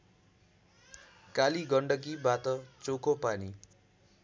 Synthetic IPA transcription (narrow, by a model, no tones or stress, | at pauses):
kaliɡʌɳɖʌk̬ibat̪ʌt͡sokopani